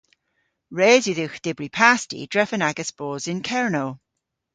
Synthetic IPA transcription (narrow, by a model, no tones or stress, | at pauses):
ɹeːzjuðɪxd̥ɪbɹipʰaˑstḭdɹɛfənaɡəsb̥ɔːzɪ̃nkʰɛɹnoʊ